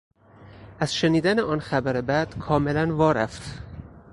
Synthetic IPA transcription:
ʔæz̥ʃe̞niːd̪æneɒːnxæbæɾe̞bæd̪̥kʰɒːme̞lænvɒːɾæft̪

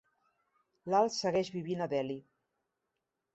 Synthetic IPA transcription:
lalˠsəɣɛʒβiβ̞inəðɛli

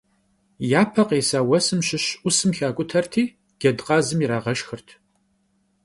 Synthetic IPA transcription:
jaːpʰɐqeːsaːwɐsɨmɕɪɕʔʷʊsɨmxaːkʷʼʊtʰɐrtʰiː | ɡ̥ʲɐdqʼɑːzɨmjiɾaːʁɐʃxɨrtʰ

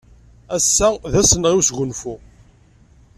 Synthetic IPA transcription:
æsːæðæsənʁiwsʝʊnfu

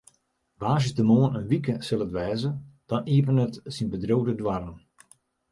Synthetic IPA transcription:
ʋaːʒəsdəmoːənənʋikəsɪlˠətʋɛːzəd̥ɔniəpənətsinbədrowdədwarən

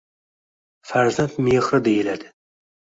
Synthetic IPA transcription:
fæɾzant̪meχɾɨd̪ejɪlad̪ɪ

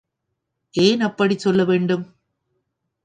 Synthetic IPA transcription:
ʔeːnɐpːɐɽisɔlːɐʋeːɳɖɯm

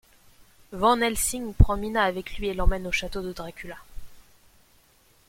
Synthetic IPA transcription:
vɑ̃nɛlsiŋpχɑ̃minaːvɛklɥielɑ̃mɛnoʃat̪od̪əd̪ʁakʲyla

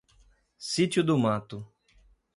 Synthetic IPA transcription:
sit͡ʃʊd̪ʊmat̪ʊ

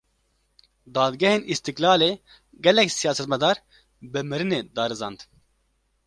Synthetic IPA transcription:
d̪ɑːd̪ɡɛheːnist̪ɨklɑːleː | ɡɛlɛksijaːsɛt̪mɛd̪ɑːɾ | bɨmɨɾɨneːd̪ɑːɾɨzɑːnd̪

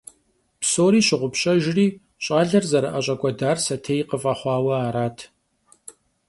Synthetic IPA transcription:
psoːɾiːɕɪʁʷʊpɕʼɐʒɪriː | ɕʼaːɮɐrzɐɾɐʔɐɕʼɐkʷʼɔdaːrsɐtʰeːjqəfʼɐχʷɑːwɐaːɾaːtʰ

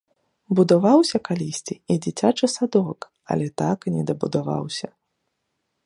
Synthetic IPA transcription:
bud̪avawsʲɐkalʲisʲt͡sʲiid͡zʲit͡sʲat͡ʂɨsad̪ɔk | ɐ̰lʲɛt̪aknʲɛd̪ɐbud̪ava̰wsʲɐ

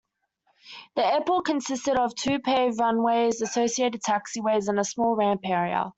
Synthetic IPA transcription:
ðiɛpl̩ˠkʰə̃nsɪstəɾəv̥tʰʉːpʰɛːɹʌ̃nweɪzəsəʊsieɪɾɪd̚tʰæksiweɪzɪ̃nəsmɔːlˠɹæ̃mpɛːɹiə̰

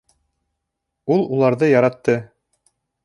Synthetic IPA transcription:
ulˠulˠɑɾðɤjɑɾɑt̪ːɤ

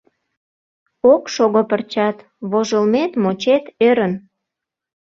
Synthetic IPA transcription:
okʃoɣopərt͡ɕɑt̪ | βoʒəlmet̪mot͡ɕet̪øɾən

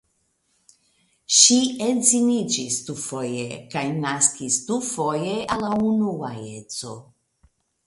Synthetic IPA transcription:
ʃienzinid͡ʒisdufo̞jḛkajnaskistufo̞jeʔalaunuaet͡so̞̰

